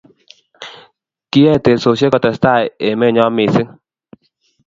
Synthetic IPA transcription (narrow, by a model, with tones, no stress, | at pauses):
ki˦ɛ˦˨te˨so˨se˦kɔ˨tɛ˨sta˦˨e˨me˦˨ɲɔ˦mi˨sɪ˦ŋ